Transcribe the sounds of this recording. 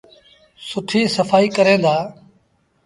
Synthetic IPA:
sʊʈʰiːsəfaːiːkəɾẽːnd̪aː

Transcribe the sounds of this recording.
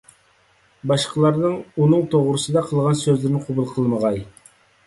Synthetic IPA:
bɑʃqʰəlˠɑɾnɨŋunɨŋt̪ʰoʁɾɨsɨd̪ɑqʰəlˠʁɑnsøzlɪɾɪnɪqʰʊbulˠqʰəlˠməʁɑj

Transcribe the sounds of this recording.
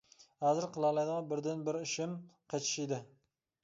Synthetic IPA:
hæzɪɾqəlˠɑlˠɑjd̪ʁɑbɪɾd̪ɪnbɪɾɪʃɪmqʰɑt͡ʃ̪ʰɪ̥ʃid̪ɪ

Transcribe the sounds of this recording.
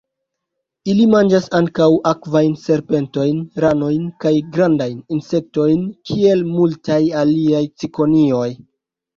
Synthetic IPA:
ilimand͡ʒasaŋkawakvajnse̞ɾpe̞nto̞jnɾano̞jnkajɡɾandajninse̞k̚to̞jnkʰie̞lmultajaliajt͡siko̞nio̞j

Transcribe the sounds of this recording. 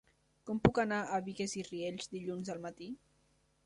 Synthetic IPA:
kɔmpukanaʔaβiɣezirieʎzd̪iʎunzəlˠmat̪i

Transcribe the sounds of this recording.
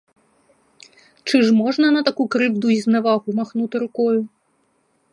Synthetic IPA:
t͡ʂɨʐmɔʐnɐnɐt̪akukɾɨwd̪uiznavaɣumaxnut̪ɨɾukɔju

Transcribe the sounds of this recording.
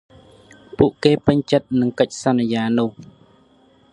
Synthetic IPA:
puəʔkeːpɨɲt͡ɕət̪̚nɨŋkəc̚sanːijaːnʊ̆əh

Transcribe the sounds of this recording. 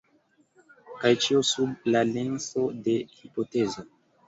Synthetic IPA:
kajt͡ʃiosublalenso̞de̞hipotezo

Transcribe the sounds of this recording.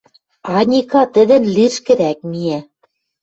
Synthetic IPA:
ɑnʲikɑt̪ɘ̆d̪ɘ̆nliʃkɘ̆ɾæk̚miæ

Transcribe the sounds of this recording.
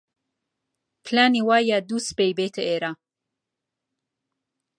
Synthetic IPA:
pʰlaniwajad̪uspejbet̪ʰəeɾa

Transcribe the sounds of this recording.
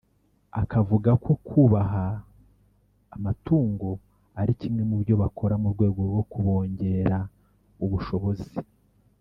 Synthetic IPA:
akavuɡakʰo̞kʰuːβaɦa | matuːŋɡo̞ | aɾicimŋe̞muβɾjo̞βakʰo̞ɾamuɾɡwe̞ːɡo̞ɾɡo̞kuβo̞ːɲɟe̞ɾa | uβuʃo̞βo̞zi

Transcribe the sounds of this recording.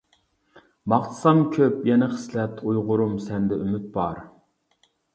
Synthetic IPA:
mɑχt̪ʰɨ̥sɑmkʲʰøpjɛnɪχə̥slɛt̪ʰujʁʊɾumsɛnd̪ɛymyt̪̚bɑɾ

